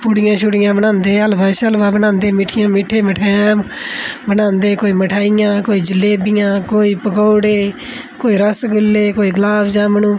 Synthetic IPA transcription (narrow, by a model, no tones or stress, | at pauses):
pʊɽɪjãːʃʊɽɪjãːbənãːnd̪eːəlbaːʃəlbaːbənãːnd̪eːmɪʈʰɪjãːmɪʈʰeːməʈʰaːãː | bənãːnd̪eːkoːiːməʈʰaːɪjãːkoːiːd͡ʒəlːeːbɪjãːkoːiːpəkɔːɽeː | koːiːɾəsɡʊlːeːkoːiːɡlaːsd͡ʒãːmənũː